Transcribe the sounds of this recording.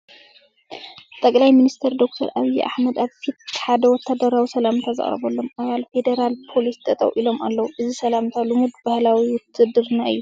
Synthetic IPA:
t̪ʼɐkʼlajminist̪ʰɐɾd̪o̞k̚t̪ʰɐɾʔaβijʔa̰ħmɐd̪aβfit̪̚ħad̪ɐwɔt̪ʰːad̪ɐɾawisɐlamnt̪ʰazɨ̰χʼɾɐ̰βolːo̞mʔaβalfe̞d̪eɾalpʰo̞list̪ʰʼɐt̪ʼɐ̰wʔilo̞mʔa̰lːɐwuʔɨzisɐlamt̪ʰalɨmud̪bahlawiwʊt̪ʰːɨd̪ɨɾɨnaɨjːu

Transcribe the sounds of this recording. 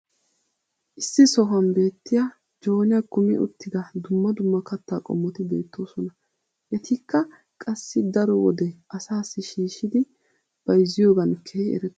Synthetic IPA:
ʔɪsːɪsɔɦɐmbe̞ːt̪ːɪja | d͡ʒo̞ːnɪjɐkʊmɪ̰ʔʊ̰t̪ːɪɡ̪ɐd̪ʊmːɐd̪ʊmːɐkɐt̪ːaːkʼɔ̰mːɔt̪ɪbe̞̰ːt̪ːo̞ːsɔnɐ | ʔɛt̪ʰɪkːɐ | kʼɐsːɪd̪ɐɾɔwɔd̪ɛʔɐsaːsːɪʃiːʃɪd̪ɪ | b̥ɐjzːɪjo̞ːɡɐnkʰːeɛ̰ɾɛt̪ː

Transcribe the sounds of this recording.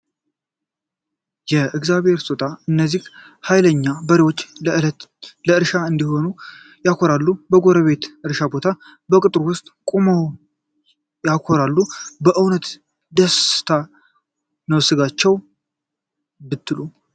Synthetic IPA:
jɛʔɨɡzaβhe̞ɾsot̪ʰʼaɨnːəzːih | hajləɲːabəɾewot͡ʃːlɨlt̪ləɨɾʃaɨnd̪iho̞nu | jakʰo̞ɾalːubəɡo̞ɾəβe̞t̪ɨɾʃabo̞t̪ʰa | bəkʼɨt̪ʼɾwʊst̪ʼkʼomow | jakʰo̞ɾalːubəʔɨwnət̪ | d̪əst̪ʰa | nəwsɨɡat͡ʃːɛw | bɨt̪ːɨlu

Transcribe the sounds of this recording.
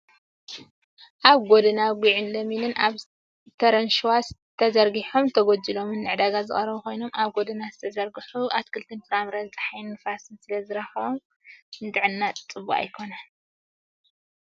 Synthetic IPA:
ʔaβɡod̪ɨnaɡʷiʕɨnlɐminɨnʔaβ | t̪ʰɐɾɐnʃwast̪ʰɐzɐɾɡiħomt̪ʰɐɡod͡ʒilo̞mɨnːɨʕd̪aɡazɨ̰χʼɐɾɐβuko̞jno̞mʔaβɡo̞d̪ɨnazɨt̪ʰɐzɐɾɡɨħuʔat̪kʰɨlt̪ʰɨnfɨɾamɾɐzɨt͡sʼɐ̥ħajnːɨfasɨnsɨlɐzɨɾɐxɐβom | ɨnd̪ʼɨʕɨnːat͡s̪ʼɨβua̰jkʰo̞nal

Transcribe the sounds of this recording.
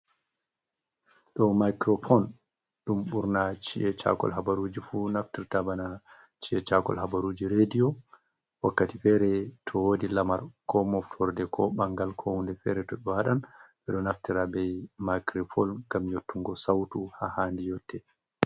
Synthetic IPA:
ɗɔmajkɾɔfɔn | ɗumɓuɾnat͡ʃiʔɛt͡ʃa̰kɔ̰lɦabaɾud͡ʒifunaftiɾtabana | t͡ʃiɛt͡ʃakɔ̰lɦabaɾud͡ʒiɾediɔ | wakːatifɛɾɛtʰɔwodilamaɾkɔmɔftʰɔɾdɛkʰɔɓaŋɡalkʰɔhundɛfɛɾɛtɔɓɔwaɗanɓɛɗɔnaftiɾabɛjmakɾɔfɔlɡamjotʰːuŋɡɔsawtuhahandijɔtʰːɛ

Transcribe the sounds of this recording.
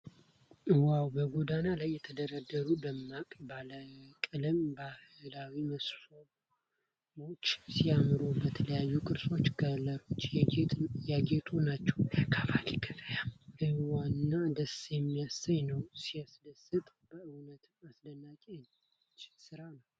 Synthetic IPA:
wawbəɡod̪analajːɛt̪ʰəd̪əɾəd̪əɾud̪əmːakʼbaləkʼɨlɨmbahɨlawiməsfo | mo̞t͡ʃːsijamɾubət̪ʰələjajːukʼɨɾso̞t͡ʃːɡələɾo̞t͡ʃː | jaɡet̪ʰunat͡ʃːɛwəkʰafaliɡəfəjalɨwanːad̪əsjɛmːijasajnəwsiasd̪əsɨt̪ʼb̥əɨwnət̪asd̪ənːakʼen | t͡ʃːsɨɾanəww

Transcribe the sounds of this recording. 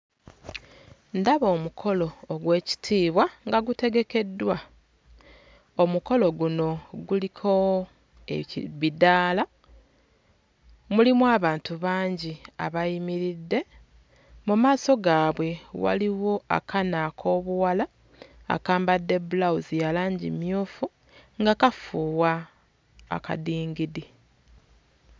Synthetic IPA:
ndaβo̞ːmukʰo̞lo̞ːɡwe̞ːci̥tʰiːβwaŋɡaɡute̞ɡe̞ke̞dːwa | omuko̞lo̞ɡuno̞ɡulikʰo̞ | ḛβidaːla | mulimwaːβaːntuβaːɲɟia̰βajimiɾidːe̞ | mumaːso̞ɡaːβwe̞wa̰liwo̞a̰kʰanakʰo̞ːβuwala̰ː | kaːmbadːe̞bulauzijalaːɲɟḭmjuːfu | ŋɡakafuːwa̰ː | ka̰diːŋɡidi

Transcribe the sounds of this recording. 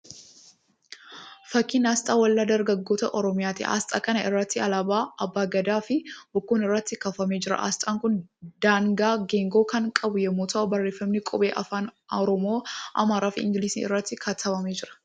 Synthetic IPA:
fɐkːinaːst̪ʼaːwɐlːad̪ɐɾɡɐɡːo̞ːt̪ɐʔɔɾɔmɪjaːt̪ɪʔa̰ːst̪ʼa̰ːkɐnɐʔɪrːɐt̪ːɪɐlabaːʔɐbːaːɡɐd̪aːfɪbʊkːuːnɪrːɐt̪ːɪkɐfɐmeːd͡ʒɪɾɐ̰ʔa̰ːst̪ʼaːŋkʊnd̪̥aːŋɡaːɡeːŋɡo̞ːkɐŋkʼɐbʊjɛmːuːt̪ʰɐʔʊbɐrːe̞ːfːɐmnɪkʼɔbḛːʔɐfaːnɔɾɔmoːʔɐ̰maːɾaːfɪɪ̰ŋɡɪliːsiːɪ̰rːɐt̪ːɪkʰɐt̪ʰɐbɐmeːd͡ʒɪɾɐ̥

